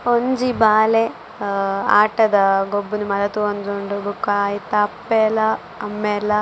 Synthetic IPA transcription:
oɲd͡ʒibaːle | a̰ːʈɐd̪ɐɡobːunumɐlɐt̪uond̪oɳɖubukaːjit̪ɐpːelɐ | ɐmːelɐ

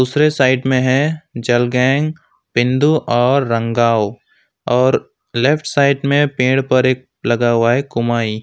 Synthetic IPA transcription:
d̪uːsɾesaːɪʈmẽɦɛ̃d͡ʒɐlɡɛ̃ːŋɡ | pɪ̃nd̪uʔɔːɾːə̃ŋɡaːo | ɔːɾ | lefʰʈʰsaːɪʈmẽpẽːɽpɐɾeːk̚ | lɐɡaːwaːekʊmaːi

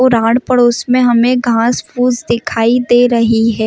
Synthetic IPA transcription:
ɔːɾaːɽpɐɽoːsmẽɦɐmẽɡʱãːspuːzd̪ɪkʰaːid̪eːɾɐɦiɦɛː

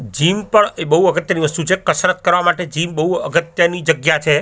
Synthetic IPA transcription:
d͡ʒimpəɳebəɦuəɡət̪jəniʋəst̪ut͡ʃʰekəsɾət̪̚kəɾʋamaʈed͡ʒimbəɦuəɡət̪jənid͡ʒəɡjat͡ʃʰe

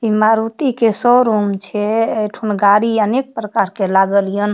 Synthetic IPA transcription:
imaɾut̪ikesɔɾumt͡ʃʰɛejʈʰunɡaɾiənek̚pɾəkaɾkelaɡəlijən

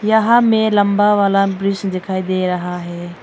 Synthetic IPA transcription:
jɐɦamẽlɐmbaʋaːlabɾɪsnd̪ɪkʰaːid̪eɾɐɦaɦɛː

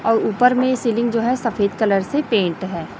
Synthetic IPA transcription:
ɔːɾuːpəɾmẽsiːlɪ̃ŋɡd͡ʒoːɦɛsɐfeːd̪kələɾsepẽːɳʈɦɛː

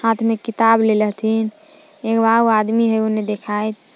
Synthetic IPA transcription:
hat̪ʰmekit̪ableləɦt̪ʰin | ekbauad̪miɦəoned̪ekʰajt̪ʰ

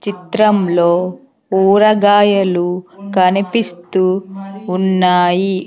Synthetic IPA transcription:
t͡ʃit̪ɾɐmlo̞ː | uːɾɐɡaːjɐlukɐnipist̪uː | nːaːji

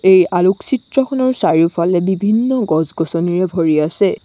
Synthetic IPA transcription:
ejaluksitɹɔkʰɔnɔɹsaɹiupʰalɛbibʱinːɔɡɔzɡɔsɔniɹɛbʱoɹiasɛ

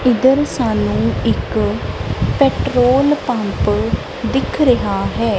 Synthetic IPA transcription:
ɪd̪əɾsaːnũːɪk | pɛːʈɾoːlpãmp | d̪ɪkʰɾəɦaːɦɛː

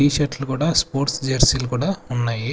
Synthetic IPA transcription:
iːʃɐɾʈlukuːɽaːspoːɾʈsd͡ʒɐɾsilukuːɽaːunːaːji

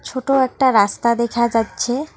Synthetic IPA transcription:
t͡ɕʰoʈoɛk̚ʈaɾast̪ad̪ekʰad͡ʑatːɕʰe

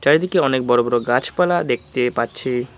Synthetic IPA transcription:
taɾd̪ikeɔnek̚bɔɾobɔɾoɡat͡ɕʰpalad̪ek̚ʰt̪epatːt͡ɕʰe

